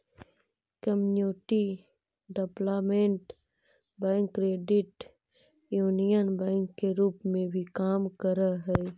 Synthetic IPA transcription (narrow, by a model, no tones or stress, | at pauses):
kəmnjoːʈi | ɖeplaːmẽɳʈ | bɛ̃ːŋkːɾeːɖɪʈ | juːnijənbɛ̃ːŋkːeɾuːpmẽbʱikaːmkəɾaɦɛː